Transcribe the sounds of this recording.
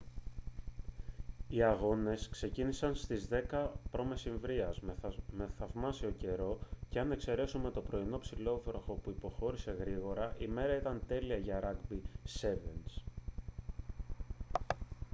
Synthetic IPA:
iɐɣo̞ne̞skse̞cinisɐnst̪izðe̞kɐpɾo̞me̞siɱvɾiɐzme̞θɐvmɐsio̞ce̞ɾo̞ce̞ɐne̞kse̞ɾe̞sume̞t̪o̞pɾo̞ino̞psilo̞vɾoxo̞puipo̞xo̞ɾise̞ɣɾiɣo̞ɾɐʔime̞ɾɐit̪ɐnt̪e̞liɐʝɐɾɐɡbise̞ve̞ns

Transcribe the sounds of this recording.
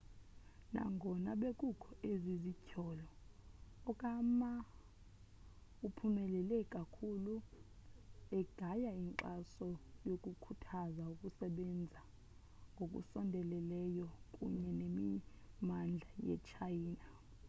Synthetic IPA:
na̰ŋɡʱɔnaɓekʼukʰɔezizicʰɔlɔː | kʼama | upʰumɛlɛlɛkʼakʰulu | ɛɡ̥ʱajaiŋǃasɔjokʼukʰutʰazaukʼusɛɓɛnd͡zʱa | ŋɡʱokʼṵsɔndʱɛlɛlɛjɔkʼṵɲɛnemi | mand͡ɮʱajɛ̰t͡ʃʰajiːna

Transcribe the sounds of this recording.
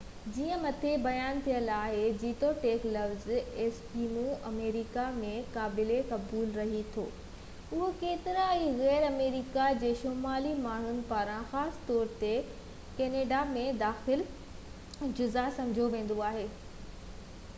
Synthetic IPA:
d͡ʑiːə̃mɐt̪ʰebɐjaːnt̪ʰijəlaːɦed͡ʑiːʈoʈeːklɐfzeːspiːmuʔɐmeːɾikamẽkaːbɪlekɐbuːlɾɐɦit̪ʰoː | ʊɦokeːt̪ɪɾaiɣɛːɾɐmeːɾikad͡ʑeːʃoːmaːlimaːɳ̤ʊnɪ̆paːɾãxaːsɪ̥t̪ɔːɾt̪e | keːneːɖamẽd̪aːxɪl | d͡ʑʊzasɐ̃md͡ʑʱoʋẽːn̆d̪oaːɦeː

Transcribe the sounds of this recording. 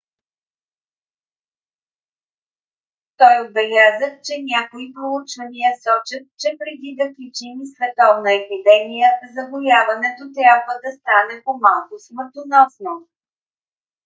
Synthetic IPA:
t̪ɔjod̪̚bɛlʲazət͡ʃɛnʲakoipɾout͡ʃvɐniəsɔt͡ʃət̪̚t͡ʃɛpɾɛd̪id̪ɐkit͡ʃimisvɛt̪ɔvnəɛpid̪ɛmijəzɐbojavɐnɛt̪ot̪ɾʲabvəd̪ɐst̪anɛpomalˠkosməɾt̪onɔsno

